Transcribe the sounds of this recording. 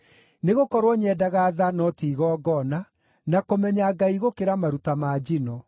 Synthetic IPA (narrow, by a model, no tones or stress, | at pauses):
neɣokɔɾwɔɲɛdaɣaːðanɔtiːɣɔːɡɔna | nakomɛɲaɡaiɣokeɾamaɾutamad͡ʑinɔ